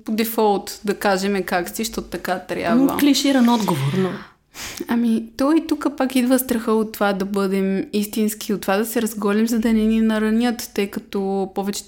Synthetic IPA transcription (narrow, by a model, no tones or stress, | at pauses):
pod̪ɛfɔlˠt̪d̪ɐkaʒɛmɛkaksiʃt̪ɔt̪ʊ̥t̪ɐkat̪ɾʲja̰b̪və̰kliʃiɾɐnɔd̪ɡovoɾno | ɐmit̪ɔit̪ukəpakid̪vəst̪ɾɐxəot̪ːovad̪ɐbɤd̪ɛmist̪inskiot̪ːovad̪ɐsɛɾɐzɡɔlimzɐd̪ɐnɛninɐɾɐnʲjət̪t̪ɤjkɐt̪ɔpɔvɛt͡ʃɛ̥